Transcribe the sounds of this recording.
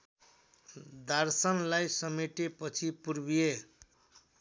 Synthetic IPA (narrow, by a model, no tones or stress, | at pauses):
d̪ʱarsʌnlajsʌmeʈepʌt͡sʰipuɾbije